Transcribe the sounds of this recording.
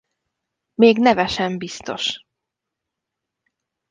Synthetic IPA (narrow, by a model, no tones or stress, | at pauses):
meːɡnɛvɛʃɛmbist̪o̞̰ʃ